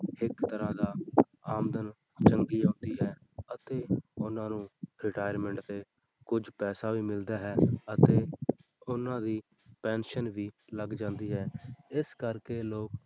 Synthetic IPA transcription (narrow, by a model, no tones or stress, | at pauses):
hɪkt̪əɾãːd̪aː | aːmd̪ən | t͡ʃəŋɡiːãːnd̪iːɦɛː | ət̪eːʊnãːnũːɾɪʈaːjəɾmɛ̃ɳʈət̪eː | kʊd͡ʒpɛːsaːʋiːmɪld̪aːɦɛːət̪eː | ʊnãːd̪iː | pɛːnʃənʋiːləɡd͡ʒãːnd̪iːɦɛːɪskəɾkeːloːk